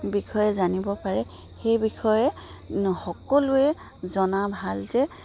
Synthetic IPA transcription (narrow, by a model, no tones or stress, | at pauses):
bixʰɔjɛzanibɔpaɹɛ | xejbixɔjɛ | xɔkɔlʊɛ | zɔnabʱalzɛ